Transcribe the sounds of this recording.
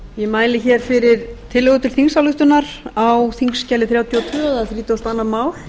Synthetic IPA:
jɛmaːjlɪçɛɾ̥fɪɾɪɾ̥t̪ʰɪlːœɣʏt̪ʰɪlθiŋsawlʏht̪ʏnaɾawθiŋscaːlɪθɾjawt̪ʰjɔwt̪ʰʏːaðaθɾiːt̪ʏawst̪aːnːamaːwl

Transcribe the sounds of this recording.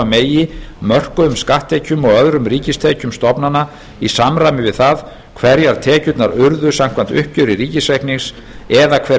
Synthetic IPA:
meːjɪmœr̥kʏʏmskaht̪ejcʏmɔɣœðɾʏmriːcɪst̪ʰeːcʏmst̪ɔpnana | isamɾaːjmɪvɪðθað | kʰvɛɾjaɾ̥t̪ʰɛːcʏt̪naɾʏɾðʏsam̥kʰvan̥t̪ʏhpcʏɾɪɾiːcɪsejhkniŋs | ɛðakʰvɛ

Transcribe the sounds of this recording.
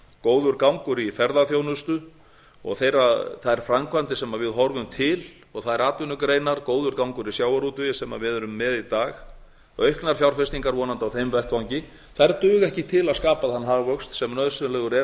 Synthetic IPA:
koːwðʏɾkawŋkʏɾifɛɾðaθjoːwnʏst̪ʏ | ɔ̰ɣθejɾaθaðɛɾ̥fɾamkʰvant̪ɪsɛmavɪðɦɔɾvʏmt̪ʰɪl | ɔɣθaðɛɾaːt̪vʏnːʏkɾeːjnaɾkoːwðʏɾkawŋkʏɾisjaːwaɾut̪ʏɪsɛma̰vɪðɛɾʏmːɛðit̪aːx | œɥhknaɾ̥fjawɾ̥rfɪst̪iŋkaɾvɔːnant̪awθejmvɛht̪vawɲcɪ | θajɾt̪ʏːɣɛhcɪt̪ʰɪlaðskaːpaðanːɦaɣvœkst̪sɛmnœðsɛlɛɣʏɾɛ

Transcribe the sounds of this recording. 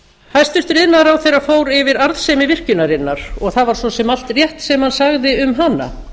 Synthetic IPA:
hajst̪ʏst̪ɾɪðnaɾawθejrːafoːwɾɪvɪɾaɾðsɛmɪvɪr̥cʏnaɾɪnːaɾ̥ɔɣθavaɾ̥sɔsɛmal̥t̪rjɛht̪sɛmhansaɣðɪʏmɦanːa̰

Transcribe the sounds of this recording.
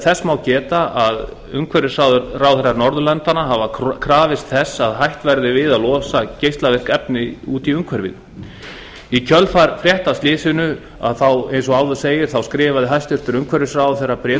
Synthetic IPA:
θɛsːmawcɛːt̪aað | ʏ̰ŋkʰvɛɾɪsawðʏɾrawθɛɾːaɾnɔɾðʏlɛnt̪anaɦavakʰɾaːvɪst̪θɛsaðɦajht̪vɛɾðɪvɪðaðlɔːsacejst̪lavɪr̥kɛpnɪuːt̪iʏŋkʰvɛɾvɪ̰ð | icʰœlfaɾfɾjɛht̪ast̪lɪːsɪnʏ | a̰ðθawejnsɔɣaːwðʏɾ̥seːjɪɾ̥θawskɾɪːvaðɪɦajst̪ʏɾ̥t̪ʏɾʏŋkʰvɛɾɪsrawθɛrːapɾɛː

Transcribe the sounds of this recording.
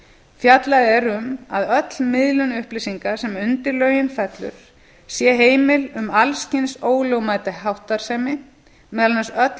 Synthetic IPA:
fjat̪laðɛɾʏma̰ðœt̪lmɪðlʏnʏhplɪsiŋkḁsɛmʏnt̪ɪɾlœːɥjɪnfɛt̪lʏ̰ɾ̥ | sjɛɦeːjmɪlʏmalscɪnsoːwlowmaːjt̪aɦawht̪aɾ̥sɛmɪ | mɛːðalnasœt̪

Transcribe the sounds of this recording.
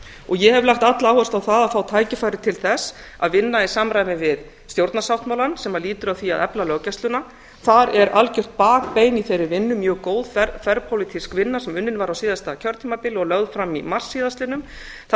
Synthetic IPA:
ɔɣjɛhɛvlaxt̪at̪lawhɔst̪awθaðaðfaːwt̪ʰaːjcɪfajɾɪt̪ʰɪlθɛs | a̰ðvɪnːaisaːmɾajmɪvɪð | st̪jowɾt̪nasawht̪mawlansɛmaliːt̪ʏɾawθia̰ðɛplalœɣcast̪lʏna | θaɾɛɾʔalcʏr̥t̪̚paːk̚peːjniθejɾʏvɪnːʏmːjœːkoːwðfɛɾpʰowlit̪ʰiskvɪnːasɛmʏnːɪnvaɾawsiːðast̪acʰœɾt̪ʰiːmapɪlɔɣlœɣðfɾamḭmar̥sːiːðast̪lɪnʏm | θ

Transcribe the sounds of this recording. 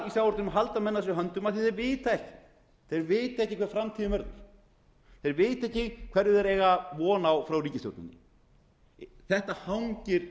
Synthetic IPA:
isjawɔɾnʏmɦalt̪amɛnːas̬ɛɦœnt̪ʏmaðθiθejɾvɪːt̪aɛhcɪ̥ | θejɾvɪːt̪aɛhcɪkʰɛɾ̥fɾamt̪ʰiðʏmɛɾðaɾ̥ | θejɾvɪːt̪aɛhcɪkʰv̥ɛɾðɪðɛɾɛːjɣavɔːnawfɾawriːcɪst̪jowɾt̪nɪ̰nːɪ | θɛht̪ahawɲcɪɾ̥

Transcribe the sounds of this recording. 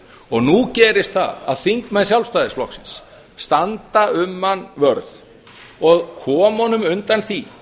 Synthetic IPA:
ɔɣnucɛːɾɪst̪θa̰ða̰ðθiŋkmɛnsjalfst̪aːðɪsflɔ̰hksɪ̥nsː | t̪ant̪aʏmːanvœɾð | ɔɣkʰɔːmɔnʏmʏnt̪anθi

